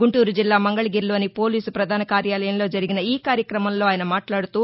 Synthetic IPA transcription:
ɡuɳʈuːɾud͡ʒilːaːmɐŋɡɐɭɐɡiːɾlo̞ːnipo̞ːliːsupɾɐd̪ʱaːnɐkaːɾjaːlɐjɐmlo̞ːd͡ʒɐɾiɡinɐiːkaːɾjɐkɾɐmɐmlo̞ːaːjɐnɐmaːʈlaːɽut̪uː

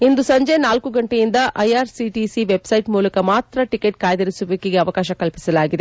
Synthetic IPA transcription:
ind̪usɐɲd͡ʒenaːlkuɡɐɳʈejind̪ɐʔɐjaːɾsiʈisiʋebsɐjʈmuːlɐkɐmaːt̪ɾɐʈikeʈ̚kaːjɐd̪ɐɾisuʋɐkiɡeɐʋɐkaːʃɐkɐlpi̥sɐlaːɡid̪e

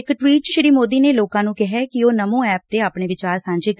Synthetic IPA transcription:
ɪkʈwiːʈʃɪɾiːmoːd̪iːneːloːkãːnũːkɛɦɛːkɪoːnəmõːɛːp̚t̪eːaːpɳeːʋɪt͡ʃaːɾsãːɲd͡ʒeːk

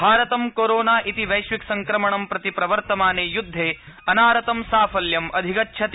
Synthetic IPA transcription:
bʱaːɾɐt̪ɐmkoːɾoːnaːʔit̪iʋɐjʃʋiksɐŋkɾɐmɐɳɐmpɾɐt̪ipɾɐʋɐɾt̪ɐmaːneːjud̪ʱːeːɐnaːɾɐt̪ɐmsaːfʰɐljɐmʔɐd̪ʱikɐtːʃʰɐt̪

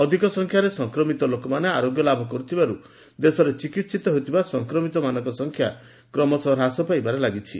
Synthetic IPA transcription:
ɔd̪ʱikɔsɔŋkʰjaɾesɔŋkɾɔmit̪ɔlokɔmaneaɾoɡjɔlabʱɔkɔɾut̪ʰibaɾu | d̪esɔɾet͡ʃikit̪sit̪ɔɦojt̪ʰibasɔŋkɾɔmit̪ɔmanɔŋkɔsɔŋkʰja | kɾɔmɔsɔɾɦasɔpajbaɾelaɡit͡ʃʰḭ

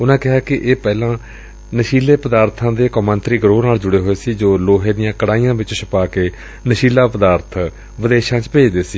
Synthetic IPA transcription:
ʊnãːkɪɦaːkɪʔeːpɛːlãː | nəʃiːleːpəd̪aːɾt̪ʰãːd̪eːkɔmənt̪ɾiːɡɾoːnaːld͡ʒʊɽeːɦoːeːsiːd͡ʒoːloːɦeːd̪ɪjãːkəɽaːijãːʋɪt͡ʃʃʰəpaːkeː | nəʃiːlaːpəd̪aːɾt̪ʰ | ʋəd̪eːʃãːt͡ʃpeːd͡ʒd̪eːsiː

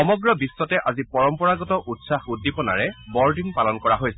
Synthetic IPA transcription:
ɔmɔɡɹɔbisːɔtɛʔazipɔɹɔmpɔɹaɡɔtɔʔutsaxudːipɔna̰ɹɛbɔɹdiŋpalɔnkɔɹaɦojsɛ

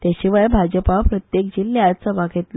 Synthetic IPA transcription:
t̪jaɕiʋajbʱad͡ʑəpapɾət̪jekd͡ʑilːeat͡səʋaɡʱet̪lə

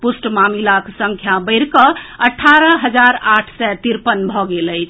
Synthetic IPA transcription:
pusʈmamilaksə̃ŋkʰjabəɪɾkəəʈʰːaɾəɦəd͡ʒaɾaʈʰsɛt̪iɾpənbʱɔɡeləɪt͡ʃʰ

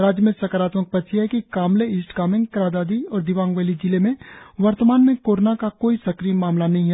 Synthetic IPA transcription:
ɾaːd͡ʒjəmẽsɐkaɾaːt̪mək̚pɐt̪ʃʰiɦɛkikaːmleiːsʈkaːmɪ̃ŋɡkɾaːd̪aːd̪iɔːɾd̪ɪʋãːŋɡʋeːlid͡ʒilemẽʋɐɾt̪əmaːnmẽkoːɾonakakoːisɐkɾijmaːmlanɐɦĩɦɛ

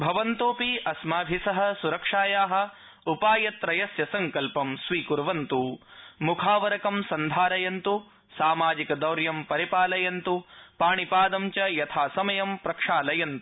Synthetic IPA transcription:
bʱɐʋɐnt̪oːpiʔɐsmaːbʱisɐɦɐ̆suɾɐkʂaːjaːɦɐ̆ | upaːjɐt̪ɾɐjɐsjɐsɐŋkɐlpɐmsʋiːkuɾʋɐnt̪umukʰaːʋɐɾɐkɐmsɐnd̪ʱaːɾɐjɐnt̪u | saːmaːd͡ʒikɐd̪ɐwɾjɐmpɐɾipaːlɐjɐnt̪upaːɳipaːd̪ɐmt͡ʃɐjɐt̪ʰaːsɐmɐjɐmpɾɐkʂaːlɐjɐnt̪u̥

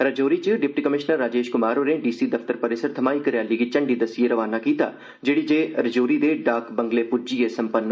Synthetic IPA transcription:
ɾəd͡ʒoːɾit͡ʃəɖɪp̚ʈiːkəmɪʃnəɾːaːd͡ʒeːʃkʊmaːɾoːneːɖiːsiːd̪əfʰt̪əɾpəɾɪsəɾt̪ʰəmaːikəɾjaːliːɡit͡ʃəɳɖiːd̪əsieɾəʋaːnakiːt̪a̰ː | d͡ʒeːɽiːd͡ʒeːɾəd͡ʒoːɾiːd̪eːɖaːkbəŋɡleːpʊd͡ʒiːesəmpənː

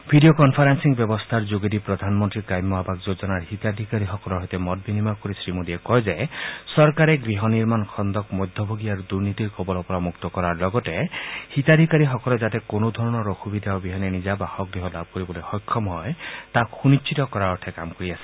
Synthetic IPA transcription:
bʱiɖiokɔnpʰaɾansiŋbjɔbɔst̪ʰaɾd͡ʒoɡedipɾɔd̪ʱanmɔnt̪ɾikajmɔɦabakd͡ʒod͡ʒɔnaɾhit̪ad̪ʱikaɾixɔkɔlɔɦɔjt̪emɔt̪̚binimaɾkɔɾisɾimodiekɔjzesɔɾkaɾeɡɾiɦɔniɾmankʰɔnd̪ɔkmɔjd̪ʱɔbʱoɡiaɾud̪uɾnit̪iɾkɔbɔlɔpɔɾamukt̪ɔkɔɾaɾlɔɡɔtehit̪ad̪ʱikaɾiɦɔkɔlɔzat̪ekonɔd̪ʱɔɾɔnɔɾoxʰubid̪aobiɦɔnenizabahɔɡɾiɦɔlab̚ʱkɔɾibɔlojxɔjkʰːɔmɦɔet̪axʰunit͡ʃʰit̪ɔkɔɾaɔʈʰeka̰mkɔɾiasi̥

